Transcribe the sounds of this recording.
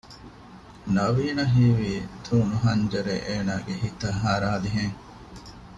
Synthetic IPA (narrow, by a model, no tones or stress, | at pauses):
nɐʋiːnɐɦiːʋiːt̪ʰuːnuɦɐɲd͡ʒɐɾḛʔeːnaːɡehit̪ɐɦaːɾaːliɦeŋ